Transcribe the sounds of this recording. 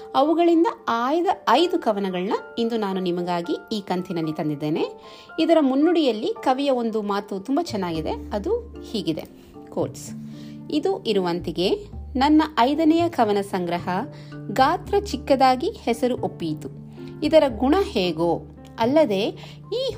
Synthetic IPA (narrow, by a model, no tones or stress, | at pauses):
ɐʋuɡɐɭind̪ɐaːjɐd̪ɐɐjd̪ukɐʋɐnɐɡɐɭɐnɐind̪unaːnunimɐɡaːɡiiːkɐnt̪ʰinɐlːit̪ɐnd̪id̪ːeːne̞ | id̪ɐɾɐmunːuɽijɐlːikɐʋijɐo̞nd̪umaːt̪ut̪umbɐt͡ʃɛnːaːɡid̪eɐd̪uhiːɡid̪e̞̰ | koːʈsid̪uʔiɾuʋɐnt̪iɡe̞nɐnːɐʔɐjd̪ɐnɛjɐkɐʋɐnɐsɐŋɡɾɐɦɐ | ɡaːt̪ɾɐt͡ʃikːɐd̪aːɡihɛsɐɾuʔopːit̪u | id̪ɐɾɐɡuɳɐheːɡoː | ɐlːɐd̪e̞ː | iː